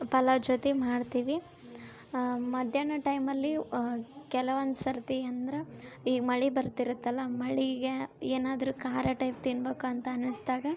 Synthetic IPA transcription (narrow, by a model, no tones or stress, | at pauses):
pɐlɐd͡ʒot̪emaːɖt̪iːʋi | mɐd̪ʱjɐɳɐʈɐjmɐlːi | kɛlɐʋɐnsɐɾt̪iɐnd̪ɐɾeiːɡmɐɭibɐɾt̪iɾut̪ːɐlːɐmɐɭiɡeeːnaːd̪ɐɾuːkaːɾjɐʈɐjp̚t̪inbeːkuɐnt̪ɐɐnisd̪aːɡɐ